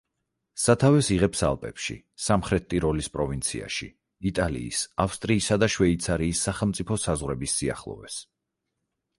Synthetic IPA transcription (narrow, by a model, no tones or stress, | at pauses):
sat̪ʰavɛsiʁɛpsa̰lˠpʼɛpʃḭ | samχɾɛt̪ːʼiɾɔlispʼɾɔvint̪sʰia̰ʃḭ | it̪ʼalḭːsafst̪ʼɾiːsad̪aʃwɛit̪sʰaɾiːsːaχɛlˠmt̪sʼipʰɔsazʁwɾɛbisːia̰χlˠɔ̰vɛs